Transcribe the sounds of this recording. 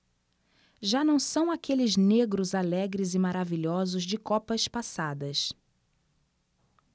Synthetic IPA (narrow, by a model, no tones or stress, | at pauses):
ʒanɐ̃w̃sɐ̃w̃akelɪzneɡɾʊzalɛɡɾɪzɪmaɾaviʎɔzʊzd͡ʒɪkɔpɐspasad̪ɐs